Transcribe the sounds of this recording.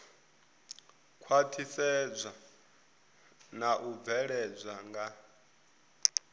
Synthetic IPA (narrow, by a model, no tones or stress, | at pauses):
kʰwatʰisɛd͡zʷa | naʔub̪vɛɺɛd͡zʷaŋɡa